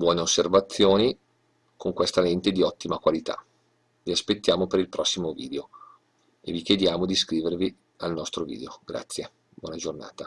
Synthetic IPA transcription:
bwɔːneosːervat̪sːjoːni | kʰoŋkwest̪alent̪ed̪iɔt̪ːimakwalit̪a̰ | viaspet̪ːjaːmopeɾilpɾɔsːimovḭːd̪eo | ḛvikjed̪jaːmod̪iskɾiːvervi | alnɔst̪ɾovḭːd̪eoɡ̥ɾa̰t̪sːje | bwɔːnad͡ʒorna̰ːt̪a

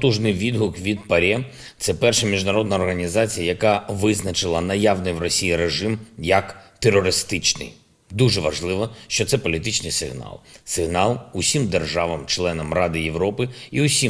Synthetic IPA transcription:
t̪uʒnɪjʋʲid̪ɦʊkʋʲid̪̚pɐɾʲɛ | t̪sɛpɛrʃɐmʲiʒnɐɾɔd̪nɐɔrɦɐnʲizɑt͡sʲijɐjɐkɑʋɪznɐt͡ʃɪlˠɐnɐjaʋnɪjʋrɔsʲijiɾeʒɪmjɐkt̪erɔɾɪst̪ɪt͡ʃnɪ̰j | d̪uʒɛʋɐʒlˠɪʋɔʃt͡ʃɔt̪sɛpɔlʲit̪ɪt͡ʃnɪjsɪ̰ɦnɑ̰lˠsɪɦnɑlˠʊsʲimd̪erʒɑʋɐmt͡ʃlˠɛnɐmrɑd̪ɪjeʋɾɔpɪiʊsʲi

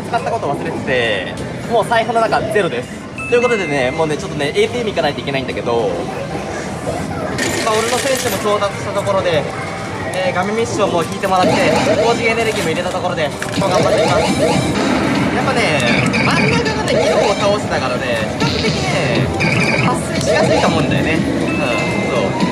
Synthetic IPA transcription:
t͡sɨ̥kat̪ːako̞t̪oβasɨɾe̞t̪e̥t̪e̞ | mo̞ːsaiɦɯ̃no̞nakad͡ze̞ɾod̪e̞sɨ̥ | t̪ːo̞jɯ̟kot̪o̞d̪e̞ne̞moːne̞t͡ɕo̞t̪ːo̞ne̞ʔeːt̪iːmʲikanait̪oike̞naĩnd̪aked̪o̞ | japːao̞ɾeno̞sẽ̞ɰɕɨmoko̞ːt̪at͡sɨ̥ɕi̥t̪at̪oko̞ɾo̞d̪e̞ | eːɡamʲẽmʲiɕõmːoːkʲiːt̪e̞mo̞ɾat̪ːe̞ko̞ːd͡ʑiɡʲiene̞ɾɯ̟ɡʲiːmoiɾe̞t̪at̪o̞ko̞ɾo̞d̪e̞ | oːɡaomat̪ːeimasɨ̥ | japːane̞maminanekot̪ekʲiɾooːt̪aosenaɡaɾane̞skekɯt̪ekʲine | basɨt͡ɕikasɨit̪omõnd̪a̰jo̰ne̞ | ɯ̃ | so̰ː

